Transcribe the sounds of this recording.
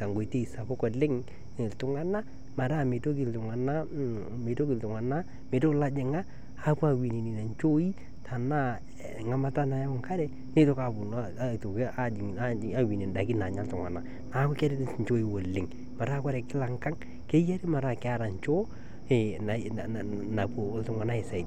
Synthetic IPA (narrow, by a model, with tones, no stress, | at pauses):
ta˨ŋɡo˨te˦i˨sa˨pɔ˦kɔ˨lɪ˦ŋ | ɪ˨ltʊ˨˦ŋa˦na˦ | ma˨ɾa˦˨me˨to˦kɪ˨ltʊ˨ŋa˨na˦ | me˨to˦kɪ˨ltʊ˨ŋa˨na˦ | me˨to˦kla˦d͡ʒɪ˨ŋaː˦˨ | pu˦a˨wi˨ni˨ni˨na˨ɲt͡ʃo˦i˦ | tʰa˨na˦ | ŋa˨ma˨ta˦na˨ja˦ʊ˨ŋka˦ɾɛ˦ | ne˦to˦ka˨pʊ˨n˨to˨ka˦d͡ʒɪ˨ŋ˨a˦a˦˨wi˨ni˨nda˨kɪ˦na˨ɲa˦ltʊ˨ŋa̰˨na˨ | na˨˦kɔ˦kɛ˦ɾɪ˦tɲt͡ʃo˦i˨wo˨lːɪ˨ŋ | ma˨ɾa˦˨ka˦ɾɛ˨kɪ˦la˨ŋka˦ŋ | ke˦ja˦ɾi˦ma˨ɾa˦˨kɪ˦a˦ɾa˨ɲt͡ʃo˦ | e˨na˨na˨po˨˦ltʊ˨ŋa˨na˦e˨sa˨ɪ˨d